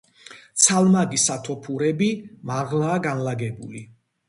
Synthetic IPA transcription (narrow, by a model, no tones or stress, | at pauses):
t̪sʰalmaɡisat̪ʰɔpʰuɾɛbimaʁlaːɡanlaɡɛbṵli